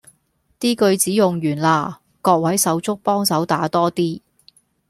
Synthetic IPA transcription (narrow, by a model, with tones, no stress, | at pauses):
t̪iː˥kɵ˧ɥt͡siː˨˥jʊ˨ŋjyː˨˩nlaː˧ | kɔː˧k̚wɐ˨˥jsɐ˨˥wt͡sʊ˥k̚pɔː˥ŋsɐ˨˥wt̪aː˨˥t̪ɔː˥t̪iː˥